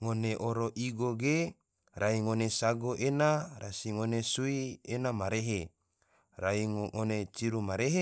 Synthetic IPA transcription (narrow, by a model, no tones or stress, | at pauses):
ŋoneʔoɾoʔiɡoɡe | raiŋonesaɡoʔenaɾasiŋonesuienamaɾeɦe | raiŋonet͡ʃiɾumaɾeɦe